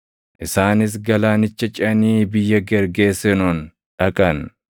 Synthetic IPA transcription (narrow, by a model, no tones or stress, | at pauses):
ʔɪsaːnɪs̬ɡɐlaːnɪt͡ʃːɐt͡ʃʼɪɐniːbɪjːɐɡɛɾɡe̞ːsɛnoːn | ᶑɐkʼɐn